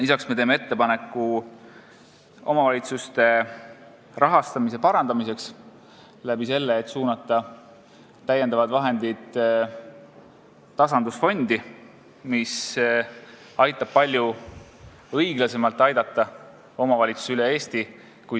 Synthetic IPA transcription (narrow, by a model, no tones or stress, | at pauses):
lisɑksme̞t̪e̞ːmee̞t̪ːe̞pɑne̞kːˑu | o̞mɑvɑlʲit̪sust̪e̞ | rɑɦɑst̪ɑmis̬e̞pɑɾɑnd̪̥ɑmise̞ks | læbise̞lːeːt̪suːnɑt̪ːˑɑ | t̪æjed̪ɑvɑd̪vɑɦe̞nd̪̥id̪̥ | t̪ɑsɑnd̪̥usfo̞nd̪̥i | mis | ɑjt̪ːˑɑb̥̚pɑlʲju | ɤiɡ̥lɑse̞mɑlt̪ːˑɑjd̪ɑt̪ˑːɑ | o̞mɑvɑlʲit̪su̥sylee̞ːst̪i | ku